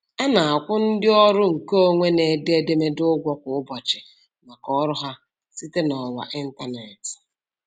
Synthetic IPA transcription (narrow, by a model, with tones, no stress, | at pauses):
ɛ˦na˨a˨kʷʊ˦n̩˦dɪ˦ɔ˦ɾʊ˦ŋ̩˨ko˦ŋʷe˦ne˨de˦de˦me˦dʊ˦ɡʷɔ˦kʷʊ˨ʊ˦bɔ˨t͡ʃɪ˨ | na˨kɔ˦ɾʊ˦ɦa˦ | si˦te˦nɔ˨wa̰˨ʔi˦n̩˦ta˦ne˨t